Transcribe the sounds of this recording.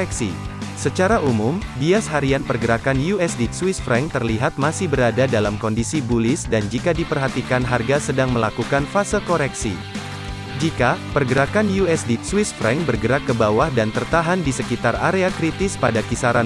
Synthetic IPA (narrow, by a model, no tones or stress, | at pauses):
ɛksḭsət͡ʃaɾaʔumʊmdiasɦaɾianpərɡəɾakanjuɛsdit̪swɪsfɾɛŋt̪ərliɦat̪̚masɪhbəɾadadalamkɔndisibulɪsdand͡ʒikadipərɦat̪ikanɦarɡasədaŋməlakukanfasəlkoɾɛksḭ | d͡ʒikapərɡəɾakanjuɛsdit̪swɪsfɾɛŋbərɡəɾakːəbawahdant̪ərt̪aɦandisəkit̪ara̰ɾeakɾit̪ɪspadakisaɾa